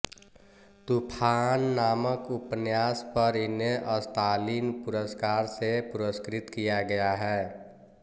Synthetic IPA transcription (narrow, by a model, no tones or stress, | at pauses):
t̪ʊpʰanːaːməkʊpnjaːspəɾɪneʔəst̪aːliːnpʊɾəskaːɾsepʊɾəskɾɪt̪kijaɡəjaɦɛː